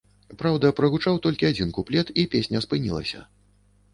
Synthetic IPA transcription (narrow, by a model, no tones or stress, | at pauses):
pɾawd̪ɐpɾɐɣut͡ʂawt̪ɔlʲkʲiad͡zʲinkuplʲɛt̪ipʲesʲnʲɐspɨnʲḭlˠɐ̰sʲɐ̰